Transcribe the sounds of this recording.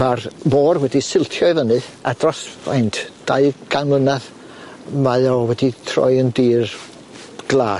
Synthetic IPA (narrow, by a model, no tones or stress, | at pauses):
marmoːrwɛdisɪlˠtʰjɔɨvənɨadrɔsajntʰd̥aɨɡ̥anlənɛð | majɔwɛditʰrɔ̰jəndiːr | ɡ̥lˠaː